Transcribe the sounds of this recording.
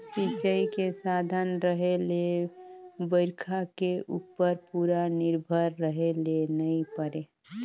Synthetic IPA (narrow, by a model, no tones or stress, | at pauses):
sit͡ʃəikesad̪ʱənɾəɦele | bəɪɾkʰakeʔupːəɾpuɾanɪɾbʱəɾːəɦelenəɪpəɾe